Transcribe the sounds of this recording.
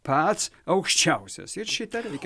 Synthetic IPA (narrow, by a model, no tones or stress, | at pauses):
pʰaːt̪sɐwkʃt͡ʃʰawsɐ̰sɪrʃɪt̪ʰɐɾɐjk